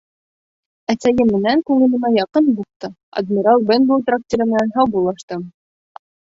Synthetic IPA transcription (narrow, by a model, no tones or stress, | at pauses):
æsæjɘmːɘ̆næŋkuŋɘ̆lɤ̆nɑjɑqɤnbuq̚t̪ɤ | ɐ̰d̪mʲiɾalˠbenbot̪rak̚t̪ʲoɾɤmɘ̆nænɦɑwbulˠɑʃt̪ɤm